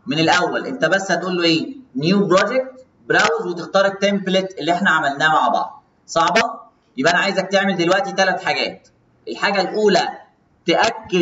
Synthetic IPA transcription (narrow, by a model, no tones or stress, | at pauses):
menelʔæwːælʔent̪æbæsːhæt̪ʔuːlːoʔeːnjuːbɾod͡ʒek̚t̪ | bɾæwzwet̪ext̪ɑːɾˤet̪ːemplet̪ʔelːiʔeħnæʕamælnæːmaʕbɑ̰ʕd̪̚ˤ | sˤɑʕbɑ | jebʔænæʕaːjezæk̚t̪eʕmeld̪elwæʔt̪it̪ælæt̪ħaɡæːt̪ | ʔelħaːɡælʔuːlæ | t̪eʔækːe